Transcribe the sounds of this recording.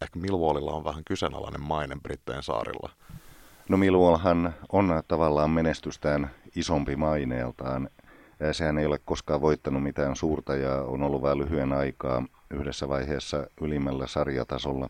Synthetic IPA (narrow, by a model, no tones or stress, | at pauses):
ehkæmilʋolilːɑ̰onʋæhæŋkysenɑ̰lɑ̰nemmɑinemprit̪ːeinsɑ̰ːrḭlːɑ̰ | nomiluolɦɑnont̪ɑʋɑlːɑːmmenest̪yst̪æːnisompimɑinḛːlt̪ɑːnː | sehænejolekkoskɑːʋʋoit̪ːɑnumit̪æːnsuːrt̪ɑjɑo̰nolːuʋʋɑlyhyenɑikɑːyhdesːæʋɑiheːsːɑylimːælːæsɑrjɑ̰t̪ɑsolːɑ̰